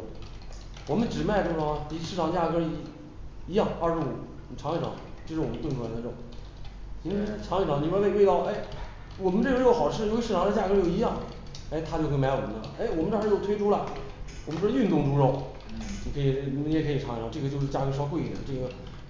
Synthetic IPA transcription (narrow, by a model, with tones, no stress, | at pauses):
wɔ˨˩mə˦nʈ͡ʂɻ̩˨˩ma˥˧ɪʈ͡ʂʂ̩˥˩˧t̪i˨˩˥ʂɻ̩˥˩ʈ͡ʂʰɑ˨˩ŋt͡ɕja˥˩kɤ˥ | i˧˥jɑ˥˧ŋɐ˞˥˧ʂɻ̩˧˥˩u˨˩˨ | ʈ͡ʂʰɑ˧˥ŋi˥˩ʈ͡ʂʰɑ̰˧˥ŋt͡ɕo˥˧ʂɻ̩˥˩wɔ˨˩m˦t̪wnʈ͡ʂʰu˥˩a˧˥nd̪ə˧ʈ͡ʂɤ˥˩ʊ˨˦ | ni˧˥ʈ͡ʂʰɑ˧˥ŋi˥˩ʈ͡ʂɑ˧˥ŋi˨˧˩ɻe˥˧˥we˥˧ɪt̪ɑ˥˩ʊe˥˩ɪ | wɔ˨˩mə˦nʈ͡ʂɤ˥˩ɡə˧ɻ̩˥o˥˩xɑ˨˩ʊʈ͡ʂʰɻ̩˥˩jo˥i˧˥ʂ̩˥˩ʈ͡ʂɑ˨ŋ˧˥˧t͡ɕja˥˩kɤ˧˥jo˥˩ʊi˧˥jɑ˥˩ŋ | e˥˩ɪt̪ʰa˥t͡ɕjo˥˧xwma˧˥ɪwɔ˨˩˦ə̰˧˩e˥ɪwɔ˨˩mə˧nʈ͡ʂːjo˥˩ʊt̪ʰwe˥ʈ͡ʂʰu˥lɐ˨wm˦ʈ͡ʂy˥˧nt̪ʊ˥˩˧ŋʈ͡ʂu˧˥ʂo˥˩ | ni˧˥kʰɤ˧˥i˨˩˧m˥ɛ˥˩kʰə˧˥i˨˩ʈ͡ʂʰɑ˧˥ŋi˧˩ɑ˧˥ŋʈ͡ʂɤ˥˩ɡə˩t͡ɕo˥˧ʊʂ̬ɻ̩˥˧t͡ɕja˥˩kɤ˥ʂ̬ɑ˥kwe˥˩ɪḭ˨˩˦ʈ͡ʂɤ˥˩ɡə˩